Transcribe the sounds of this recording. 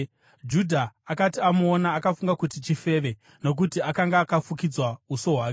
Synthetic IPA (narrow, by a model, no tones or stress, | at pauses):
d͡ʒudʱaːkatiamonaːkafuŋɡakutit͡ʃife̞ːʋe̞ | no̞k̬utiakaŋɡaːkafukid͡zwauso̞ɦwaːk